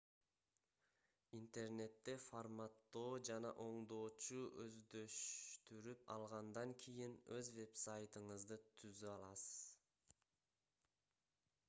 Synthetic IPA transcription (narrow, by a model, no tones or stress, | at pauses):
int̪e̞rne̞t̪ːe̞formɑt̪ːo̞ːd͡ʒɑnɑ̰ʔo̞ɴd̪o̞ːt͡ʃuʔøzd̪ø̞ʃt̪yɾypɑ̰lˠʁɑnd̪ɑŋkʲʰijinøzve̞psajt̪ɯɴɯzd̪ɯt̪ʰyzyɑlˠɑsɯ̥z̥